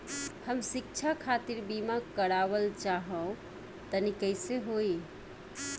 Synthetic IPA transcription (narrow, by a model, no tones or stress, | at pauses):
həmsik̚t͡ʃʰakʰat̪iɾbimakəɾaβəlt͡ʃaɦə̃ | t̪ənikəɪseɦoi